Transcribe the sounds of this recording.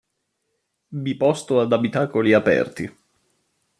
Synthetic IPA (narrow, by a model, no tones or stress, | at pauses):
vipɔst̪oad̪abit̪aːkoliapɛ̰rt̪ḭ